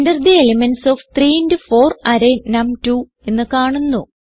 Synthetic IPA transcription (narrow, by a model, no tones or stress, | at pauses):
ndɐrd̪ielemensoːft̪riːindɨfo̞ːrɐɾenɐmtu | e̞nːɨkaːɳunːu